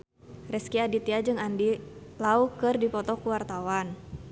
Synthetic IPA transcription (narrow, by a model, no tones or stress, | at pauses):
rɛskiadit̪iad͡ʒɨŋandilaukɨrdipɔt̪ɔkuwart̪awan